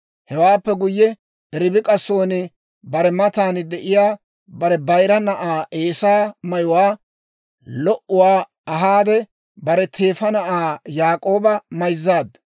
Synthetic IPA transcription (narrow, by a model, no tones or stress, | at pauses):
hɛwaːpːɛɡʊjːɛ | ɛɾɪbɪkʼɐsːo̞ːnɪ | bɐɾɛmɐt̪aːnɪd̪ɛʔɪjaː | bɐɾɛbɐjɾɐnɐʔaːʔeːsaːmɐjʊwaː | lɔʔʊwaː | ɐɦaːd̪ɛ | bɐɾɛt̪ʰeːfɐnɐʔaːjaːkʼo̞ːbɐmɐjzːaːd̪